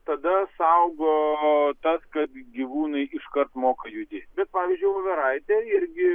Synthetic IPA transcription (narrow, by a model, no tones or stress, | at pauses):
t̪ɐd̪ɐsɐʊɡoːt̪ɐskɐt̪ɡʲiʋuːnɐɪɪʃkɐɾt̪moːkɐjʊd̪ʲɪbʲɛt̪̚pɑːʋʲiːzʲd͡ʒʲʊɪʋɐʋʲɛɾɐɪt̪ʲeːɪɾʲɡʲɪ